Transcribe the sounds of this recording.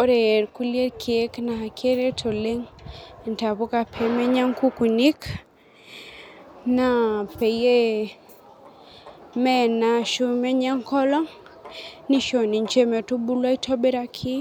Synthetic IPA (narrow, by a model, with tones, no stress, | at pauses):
o˦ɾe˨e˨ɾku˦li˦e˦ɾkʰi˨e˦kna˨a˨kʰe˦ɾe˦tʰo˨le˦ŋ˨nta˨βo˦ka˨pʰɛ˨mɛ˦ɲa˦ŋku˦ku˨ni˦k | na˦˨pe˨je˦ | mɛ˦˨na˨ʃu˦mɛ˦ɲa˦ŋkɔ˦lɔ˦ŋ | ni˦ʃo˨ni˨ɲt͡ʃe˦mɛ˨tu˦bu˦lwa˦i˦tʰɔ˦be˦ɾa˦kʰi˦